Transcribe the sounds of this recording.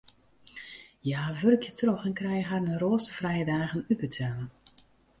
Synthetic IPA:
jaːʋørkʰjətrɔxɛnkrɛjəɦarnəroːsəvrɛjədaːɣənybətʰɛlˠə

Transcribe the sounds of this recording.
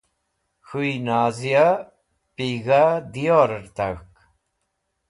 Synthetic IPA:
xuinaːzija | piːɣad̪ijoɾɐɾt̪ak

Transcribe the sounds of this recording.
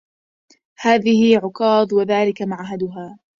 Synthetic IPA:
haːðɪhɪʕʊqɑːd̪ˤwaðaːlɪkamaʕɦad̪ʊɦaː

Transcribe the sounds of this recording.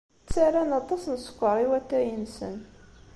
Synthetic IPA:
t͡sːaɾanɑt̪ˤɑsnəsə̥kʷːəɾˤiwæt̪ːæjənsə̰n

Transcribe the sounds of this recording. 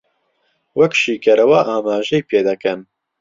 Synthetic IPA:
wɛkʃiːkʰɛɾɐwaʔaːmaːʒɛjpʰeːd̪ɐkɛn

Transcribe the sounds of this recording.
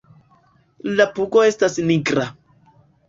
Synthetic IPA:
lapuɡoe̞stasniɡɾa

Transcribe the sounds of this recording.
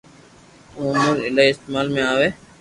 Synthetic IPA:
ũːmʊlɪlaːiɪst̪eːmaːlmẽːaːʋeː

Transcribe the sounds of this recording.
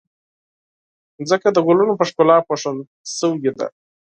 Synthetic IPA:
zəkad̪əɡolunopəʂkolɑpoʂən | səwuɡed̪a̰

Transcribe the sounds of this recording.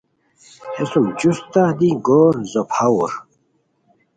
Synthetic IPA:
hesumd͡ʑust̪ad̪iɡoːɾzɔpʰawuɾ

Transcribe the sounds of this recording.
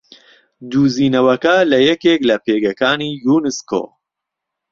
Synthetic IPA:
d̪uːziːnɐwɐkɐlɐjɛkeːklɐpeːɡɐkaːniːjuːnɨsko̰ː

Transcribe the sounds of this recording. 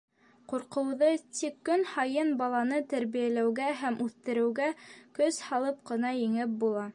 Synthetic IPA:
quɾqɤ̆wðɤt̪ikːɵnhɑjɤnbɑlˠɑnɤt̪æɾβijælæwɡæɦæmʔʉθt̪ɘ̆ɾɘ̆wɡækɵshɑlˠɤp̚qɤ̆nɑjɘ̆ŋɘp̚bulˠɑ

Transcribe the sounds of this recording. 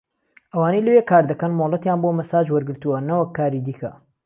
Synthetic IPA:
ʔɐwaːnejlɐwekʰaːɾd̪ɐkɐnmolˠɐt̪jaːnbomɐsaːd͡ʒwɐɾɡɨɾt̪uwɐnɐwɐkʰːaːɾid̪iːkʰɐ̰

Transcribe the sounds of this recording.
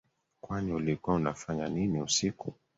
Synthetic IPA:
kwaniulikuaunafaɲaniniusiku

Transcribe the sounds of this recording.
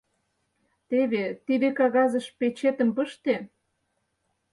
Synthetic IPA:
t̪eβet̪id̪ekɑɣɑzəʃpet͡ɕet̪ə̆mpəʃt̪e

